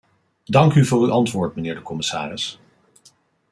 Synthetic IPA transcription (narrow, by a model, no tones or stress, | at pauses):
dɑŋkyvʊːryʔɑntʋʊːɹtmənɪːɹdəkɔmɪsa̰ːrɪs